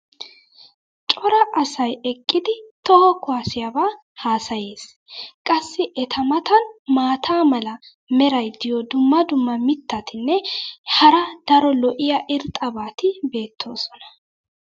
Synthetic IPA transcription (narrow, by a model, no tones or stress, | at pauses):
t͡ʃʼɔɾɐʔɐsɐjɛkʼːɪd̪ɪt̪ɔhɐkʊasɪjabaː | haːsɐje̞ːs | kʼɐsːɪʔɛt̪ʰɐmɐt̪ɐnmaːt̪ʰaːmɐlɐ | mɛɾɐjd̪ɪjɔd̪ʊmːɐd̪ʊmːɐmɪt̪ːɐt̪ɪnːɛhɐɾɐd̪̥ɐɾɔlɔʔɪjɐʔɪɾt̪ʼːɐbaːt̪ɪbe̞ːt̪ʰːo̞ːsɔnɐ̥